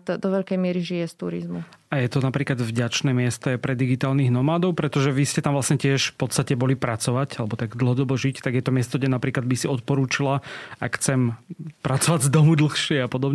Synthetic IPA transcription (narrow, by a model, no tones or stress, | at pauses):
t̪ɔd̪ɔʋɛʎkɛjmɪɛɾiʒijɛst̪ṵːɾḭzmuajɛt̪ɔnapɾiːklad̪vɟat͡ʃnɛːmɪɛst̪ɔɛpɾɛd̪iɡit̪aːlniɣnɔmaːd̪ɔʊpɾɛt̪ɔʒɛʋiscɛt̪amʋlasɲɛcɪɛʃffpɔt̪st̪acɛbɔlipɾat͡sɔʋacalɛbɔt̪aɡd̪l̩ɦɔd̪ɔbɔʒict̪aɡjɛt̪ɔmɪɛst̪ɔɡɟɛnapɾiːklad̪bisiɔt̪̚pɔɾuːt͡ʃilaakxt͡sɛmpɾat͡sɔʋaɟzd̪ɔmud̪l̩xʃɪɛapɔd̪ɔbɲɛ